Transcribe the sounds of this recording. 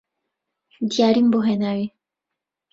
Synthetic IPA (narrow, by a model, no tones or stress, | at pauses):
d̪iaɾimboɦenawi